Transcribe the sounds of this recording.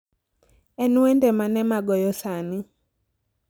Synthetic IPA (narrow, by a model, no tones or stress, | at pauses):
ɛnuwɛndɛmanɛmaɡɔjɔsanɪ